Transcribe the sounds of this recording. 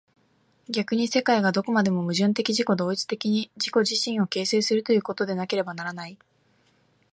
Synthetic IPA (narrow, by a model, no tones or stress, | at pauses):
ɡʲakɯɲ̟ise̞kaiɡad̪o̞ko̞mad̪e̞mo̞mɯ̟ʑɨ̃nt̪̬e̞kʲiʑiko̞d̪o̞ːit͡sɨ̥t̪e̞kʲiɲ̟id͡ʑiko̞ʑiɕĩɰ̃o̞ke̞ːse̞ːsɨɾɯ̟t̪o̞jɯ̟ko̞t̪o̞d̪e̞nake̞ɾe̞banaɾanai